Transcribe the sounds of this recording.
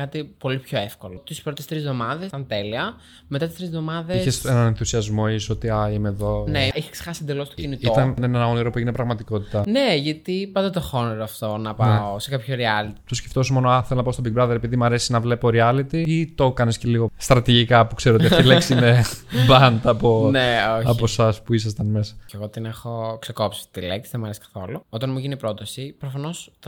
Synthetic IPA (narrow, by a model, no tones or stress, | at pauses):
kɐt̪ipo̞lipço̞efko̞lot̪ispɾot̪est̪ɾizðo̞mɐðesɐnt̪e̞liɐ | met̪ɐt̪ist̪ɾizðo̞mɐðeisçesenɐnenθusiɐzmo̞isot̪iɐimeðo̞neiçe̥ksexɐsind̪elost̪cinit̪iot̪ɐnnenɐo̞niɾopueʝinepɾɐɣmɐt̪iko̞t̪i̥t̪ɐneʝɐt̪ipɐnd̪ɐt̪oxoniɾoɐft̪o̞nɐpɐeosekɐpçoɾiɐlit̪it̪osce̥ft̪o̞somo̞noɐθelnɐpɐost̪obik̚bɾɐðeɾepiðimɐɾe̞si̥znɐvle̞po̞ɾiɐlit̪iit̪o̞kɐnesceliɣo̞st̪ɾɐt̪iʝikɐpukse̞ɾoiɐileksinebɐnt̪ɐːponeoçɐposɐspuis̬ɐs̬t̪ɐnme̞sɐceɣo̞t̪inexo̞kseko̞psi̥t̪ileksðemɐɾesi̥kɐ̥θo̞̰luot̪ɐnmuʝinipɾot̪ɐsipɾofɐno̞sɐ